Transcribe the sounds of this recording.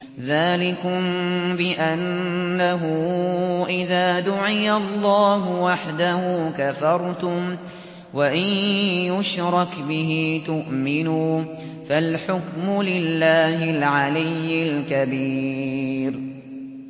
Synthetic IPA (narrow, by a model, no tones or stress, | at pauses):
ðaːlɪkʊmbɪʔanːaɦʊʔɪðaːd̪ʊʕɪjalːɑːɦʊwaħd̪ahuːkafɑɾˤt̪ʊm | waʔɪjjʊʃɾˤɑkbɪɦiːt̪ʊʔmɪnuː | falħʊkmʊlɪlːaːhɪlʕalɪjːɪlkabiː | ɾ